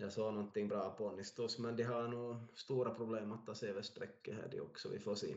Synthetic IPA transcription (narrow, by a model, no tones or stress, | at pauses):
jɑsoːnɔnt̪ːɪŋːbɾɑːpʰɔɔnːɪst̪usmɛnd̪ɛɦɑɳuːst̪uːɾapʰɾʊbleːmɔt̪ːɑseːʋɛst̪ɾɛkːəhæ̰ːɖɪ̰ɔ̰ksɔʋɪ̰foːsḭː